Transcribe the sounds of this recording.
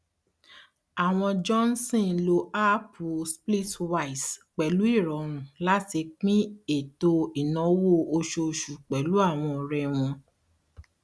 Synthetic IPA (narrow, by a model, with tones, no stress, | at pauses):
a˨w̃ɔ̃˧d͡ʒɔ˦n˦sĩ˦˨lo˧˦ʔa˦pʰu˨spli˦twa˧˨i˨sk͡pɛ˨lu˨˦i˦˨ɾɔ˨˦ɾ̃ũ˨la˦ti˧k͡pĩ˦e˦˨to˧i˨nɔ̃˨˦wo˦˨o˧ʃo˧ʃu˨k͡pɛ˨lu˨˦a˦˨w̃ɔ̃˧˨˧ɾɛ˧w̃ɔ̃˧